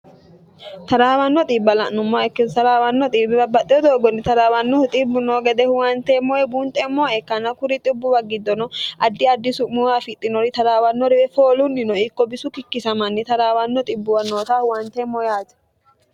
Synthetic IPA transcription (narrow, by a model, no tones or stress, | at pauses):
t̪ɐɾaːwɐnːɔt̪ʼiːbːɐlɐʔnʊmːoːɛkːɪt̪ɐɾaːwɐnːɔt̪ʼiːbːɪbɐbːɐt̪ʼːɪjɔd̪oːɡɔnːɪt̪ɐɾaːwɐnːɔhʊt̪ʼɪbːʊnoːɡɛd̪ɛhʊwɐnt̪eːmːɔjɛbuːnt̪ʼɛmːɔːɛkːɐnɐkʊɾɪt̪ʼɪbːʊbɐɡɪd̪ːɔnɔʔɐd̪ːɪɐd̪ːɪsʊmʊwaːfɪt̪ʼːɪnɔɾɪt̪ɐɾaːwɐnːɔɾɪɾɛfoːlʊnːɪnɔɪkːɔbɪsʊkɪkːɪsɐmɐnːɪt̪ɐɾaːwɐnːɔt̪ʼɪbːʊwɐnːoːt̪ahʊwɐnt̪eːmːɔjaːt̪ɛ̥